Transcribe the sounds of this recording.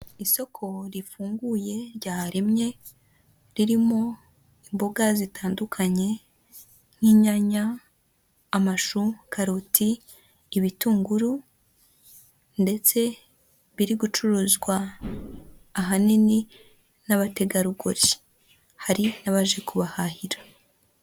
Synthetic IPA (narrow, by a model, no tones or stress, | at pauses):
iso̞kʰo̞ɾifuːŋɡuje̞ɾɟaːɾimɲe̞ | ɾiɾimo̞ | imbo̞ɡazitaːndukʰaɲe̞ | ŋ̥hiːɲaɲaː | maʃukʰaɾotiː | βituːŋɡuɾu | nde̞t͡se̞ | βiɾiɡut͡ʃuɾuzɡwa | ɦanini | naβate̞ɡaɾuɡo̰ɾi | haɾinaβaʒe̞kuβahahiɾḁ